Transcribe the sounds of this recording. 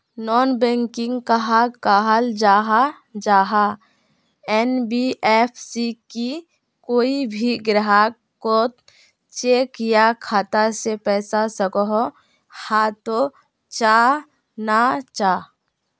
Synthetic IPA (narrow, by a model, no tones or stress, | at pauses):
nɔːnbɛ̃ːŋkɪ̃ŋɡkaɦakaːɦəld͡ʒaːɦa | d͡ʒaːɦa | ɛnbiʔeːpʰsiki | koːibʱiɡɾəɦa | ko | t͡ʃeːkjakʰaːt̪asepɛːsasəkɔɦo | hãt̪o | t͡ʃaː | nat͡ʃaː